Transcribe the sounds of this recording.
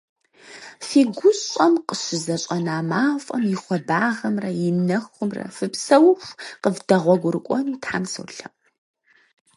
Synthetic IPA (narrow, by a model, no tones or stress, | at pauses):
fiːɡʷʊɕʼɐmqəɕɪzɐɕʼɐnaːmaːfʷʼɐmjɪχʷɔbaːʁɐmrɐjɪnɐxʷʊmrɐ̰fɨpsɐwxʷqəvdɐʁʷɔɡʷʊɾɨkʷʼɔnuːtʰħa̰ːmsɨ̰wɬɐ